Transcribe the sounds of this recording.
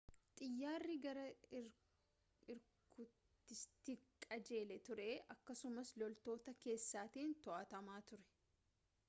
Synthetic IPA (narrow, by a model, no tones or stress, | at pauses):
t̪ʼɪjːaːrːɪɡɐɾɐ | ɪɾ | ʊ | ɪst̪ɪkʼɐd͡ʒe̞ːlɛt̪ʊɾeːʔɐkːɐsʊmɐslɔlt̪o̞ːt̪ɐke̞ːsːaːt̪iːnt̪ɔʔɐt̪ɐmaːt̪ʊɾɛ̥